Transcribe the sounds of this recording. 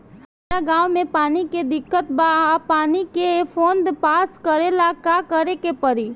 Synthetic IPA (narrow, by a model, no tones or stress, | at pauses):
saːɾaɡãːwmẽpaːniked̪ɪkːət̪baapaːnikepʰoːnd̪paːskəɾelakakəɾekepɐɾiː